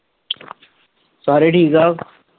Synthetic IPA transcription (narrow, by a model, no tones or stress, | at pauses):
saːɾiʈʰiːkaː